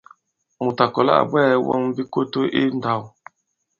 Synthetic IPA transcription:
mu˨ta˨kɔ˨la̰˦ʔa̰˨bwɛː˦wɔ̰˦ŋ˦bi˦ko˦to˦ʔi˦n̩˦da˨w

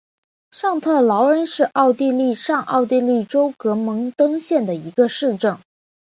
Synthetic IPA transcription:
ʂɑ˥˧ŋt̪ʰɤ˥˩lɑ˧˥ʊɻə˧˥nʂɻ̩˥˧ʔɑ˥˧ʊt̪i˥˧li˥˧ʂɑ˥˧ŋʔɑ̰˥˧ʊt̪̬i˥˧li˥˩ʈ͡ʂo˥ʊkɤ˧˥mɤ˧˥ŋt̪ɤ˥ŋɕjɛ˥˩nd̪ə˩i˧˥ɡə˧ʂɻ̩˥˧ʈ͡ʂɤ˥˩ŋ

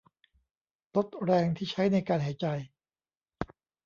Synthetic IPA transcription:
lo˦˥t̪̚ɾɛː˧ŋt̪ʰiː˥˩t͡ɕʰa˦˥jna˧jkaː˧nɦaː˩˦jt͡ɕa˧j

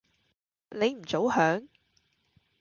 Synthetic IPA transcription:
le˨˧jm̩˨˩t͡so˨˥whœː˨˥ŋ

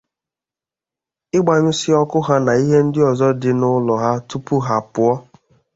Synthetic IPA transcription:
ɪ˦ɡ͡ba˨ɲʊ˦sɪ˦ɔ˦kʊ˦ɦa˦na˨i˦ɦe˦n̩˦dɪ˦ɔ˨zɔ˦dɪ˨nʊ˦lɔ˨ɦa˦tu˦pu˦ɦa˨pʊ˦ɔ˦

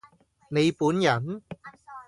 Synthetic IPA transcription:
ne˨˧jpuː˨˥njɐ˨˩n

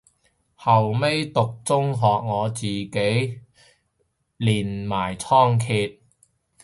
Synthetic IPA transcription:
hɐ˨˩wme˥jt̪ʊ˨k̚t͡sʊ˥ŋɦɔː˨k̚ŋɔː˨˧t͡siː˨˩ke˨˥j | liː˨˩nmaː˨˩jt͡sʰɔː˥ŋkʰiː˧t̚

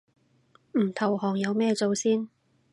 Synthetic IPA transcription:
m̩ː˨˩t̪ʰɐ˨˩whɔː˨˩ŋjɐ˨˧wmɛː˥˧t͡so˨˧wsiː˥n

